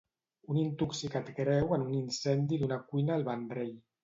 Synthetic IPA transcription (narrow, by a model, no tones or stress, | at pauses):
unint̪uksikat̪kɾɛwanuninsɛnd̪id̪unakuinaːlβand̪ɾɛj